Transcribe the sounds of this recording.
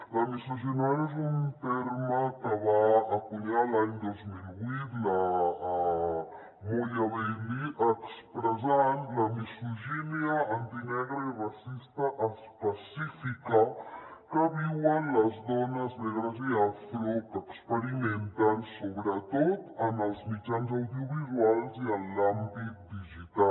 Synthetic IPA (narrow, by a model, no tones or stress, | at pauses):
lamisuʒɛnjaezunt̪eɾmɐkəβaːkuʎalaɲd̪ozmilβwit̪la | moʎaβɛliʔəkspɾəzanlamisuʒɛneaant̪inɛɣɾaiβasist̪aʔːspəsifikakəβiwənlɐzdɔnɐznɛɣɾaziasfɾukəkspəɾiment̪ansoβɾət̪ot̪ənəlzmit͡ʃanzawðiuβizwalziəlːambik̪̚d̪iʒit̪a